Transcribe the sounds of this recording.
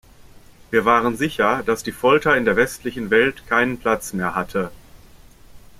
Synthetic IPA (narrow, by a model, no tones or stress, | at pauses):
viːɐvaːʁənzɪçɐd̥asd̥iːfɔltɐɪndeːɐvɛstlɪçn̩vɛltkʰaɪnənpl̥at͡smeːɐhatʰə